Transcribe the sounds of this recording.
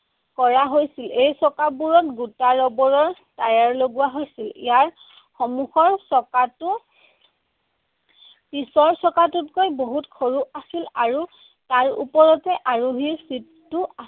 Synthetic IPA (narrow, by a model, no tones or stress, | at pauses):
kɔɹaɦojsilejsɔkabuɹɔtɡutaɹɔbɔɹɔɹ | tajaɹloɡuwaɦojsilḭjaɹ | xɔmuxɔɹsɔkatʊ | pisɔɹsɔkatutkojboɦutkʰoɹuasilaɹu | taɹṵpɔɹɔtɛʔaɹuɦiɹsit | tːua